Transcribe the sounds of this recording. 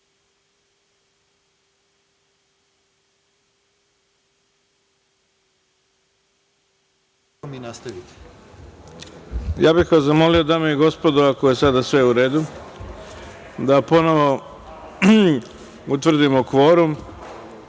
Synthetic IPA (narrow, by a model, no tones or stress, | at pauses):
minast̪aʋit̪i̥ | jaːbixʋazamo̞lio̞d̪ameiɡo̞spo̞d̪oʋakojesad̪asʋe̞uɾe̞ːd̪u | d̪apo̞no̞ʋo̞ | ut̪ʋr̩d̪imokʋo̞ːɾum